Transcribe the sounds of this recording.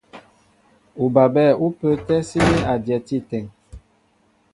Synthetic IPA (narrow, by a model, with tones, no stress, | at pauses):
u˨ba˨bɛ˦˨u˦pə˦tɛ˦si˦ni˦a˨djɛ˨ti˦˨tɛ˨ŋ